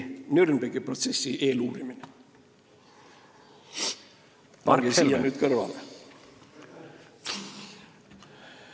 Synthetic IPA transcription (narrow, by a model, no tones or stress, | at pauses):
nyrnbeɡ̥ipro̞t̪se̞sːiʔe̞ːluːɾimine | pɑɾɡisilːnyːd̪̚kɤrvɑ̰l